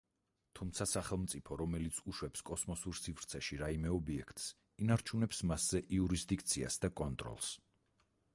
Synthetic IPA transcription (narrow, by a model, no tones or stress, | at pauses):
t̪ʰumt̪sʰasaχɛlˠmt̪sʼipʰɔɾɔmɛlit̪sʰuʃwɛpskʼɔsmɔsuɾsivɾt̪sʰɛʃiɾaimɛɔbiɛkʰt̪ʼs | inaɾt͡ʃʰunɛpsmasz̥ɛʔiuɾisd̪ik̚t̪sʰia̰sd̪akʼɔnt̪ʼɾɔ̰lˠs